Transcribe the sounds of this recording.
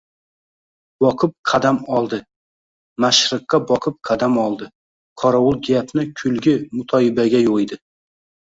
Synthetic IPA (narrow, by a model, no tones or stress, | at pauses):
bɒqʰɨp̚qʰɑd̪amɒlˠd̪ɪ | maʃɾɨqːɑbɒqʰɨp̚qʰɑd̪amɒlˠd̪ɪ | qʰɒɾawʊlˠɡʲapʰnɪkʲʰʊlɡʲɪmʊt̪ʰɒɪbaɡʲajojd̪ɪ